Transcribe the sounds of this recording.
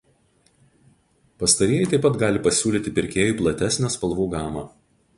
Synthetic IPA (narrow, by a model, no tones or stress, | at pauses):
pɐst̪ɐɾʲijɛɪt̪ɐɪpɐt̪ɡɑːlʲɪpɐsʲuːlʲiːt̪ʲɪpʲɪɾʲkʲeːjuːˑplˠɐt̪ʲæsʲnʲæspɐlˠʋuːɡɑːmɑː